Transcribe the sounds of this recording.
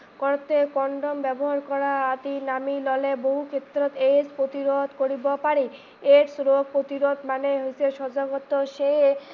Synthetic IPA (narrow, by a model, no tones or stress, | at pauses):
kɔɾt̪ekɔɳɖombɛboɦaɾkɔɾaat̪inamilɔleboɦukʰet̪ːɾot̪espɾot̪iɾod̪koɾibopaɾi | eɾsɾoɡ̚pɾot̪iɾod̪maneɦojsʰeʃɔd͡ʑaɡot̪oʃe